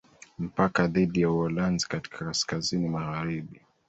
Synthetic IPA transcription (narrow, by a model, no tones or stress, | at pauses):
m̩pakaðiɗijauɔlanzi̥kati̥kʰakaskazinimaɣaɾiɓi